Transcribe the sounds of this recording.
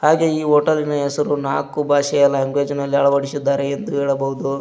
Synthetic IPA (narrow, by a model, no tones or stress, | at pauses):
haːɡeiːɦoːʈɐlinɐɛsɐɾunaːkubʱaːʃɐjɐlaɐŋɡʋeːd͡ʒɐnɐlːiɐɭɐʋɐɽisud̪ːaːɾeend̪ueːɭɐbɐɦud̪u